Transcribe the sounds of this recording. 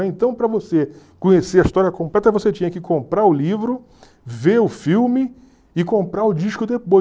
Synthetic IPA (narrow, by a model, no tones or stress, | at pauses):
ẽnt̪ɐ̃w̃pɾɐvose | kõɲeseɾɐiʃt̪ɔɾiɐkõmplɛt̪ɐvoset͡ʃĩɲɐkɪkõmpɾaʊlivɾʊ | veʊfiwmɪ | ɪkõmpɾaʊd͡ʒiʃkʊd̪epo